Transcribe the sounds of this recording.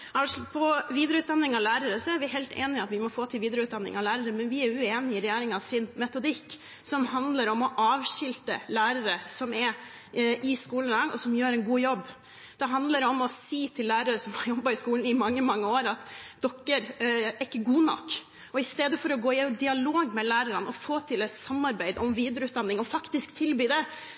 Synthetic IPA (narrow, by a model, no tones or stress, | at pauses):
ɑʂpʰɔʋiːd̪ɾəʉːt̪d̪ɑnːɪŋɑʋlæːɾəɾəsɔæɾʋɪɦɛɪlt̪ʰḛːnɪɑt̪ʋɪmɔfoːt̪ʰɪlʋiːd̪ɾəʉːt̪d̪ɑnːɪ̰ŋɑʋlæːɾəɾəmɛnʋɪæɾʉeːnɪɪɾɛjeːɾɪŋɑʋsɪnmɛt̪ʊd̪ɪkː | sɔmɦɑnd̪ləɾɔmɔʔɑːʋɕɪlt̪ə̰læːɾəɾəsɔmɛ | ʔɪskuːlnɾɑŋɔ̰sɔmjøːɾɛnɡuːjɔbː | d̪̥ɛɦɑnd̪ləɾɛɔmɔsiːt̪ʰɪlːæːɾəɾəsɔmhɑɾjɔbːɑɪskuːln̩ɪmɑŋːəmɑŋːəoːɾɑt̪d̪̥ɔkːəɾɪkːəɡuːnɔ̰kː | ɔɪst̪eːd̪əfɔɾɔɡoːɪd̪ɪɑloːɡmɛlæːɾəɾənʔɔfoːt̪ʰɪlɛt̪sɑmːɑɾbæɪd̪ɔmʋiːd̪ɾəʉːt̪̚d̪ɑnːɪŋɔfɑkt̪ɪskt̪ʰɪlbyːd̪ɛ